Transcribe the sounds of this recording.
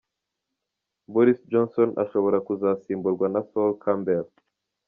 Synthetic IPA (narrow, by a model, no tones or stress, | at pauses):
boɾisd͡ʒonsona̰ʃoβo̞ɾakuzaːsiːmbuɾɡwanasolkʰambel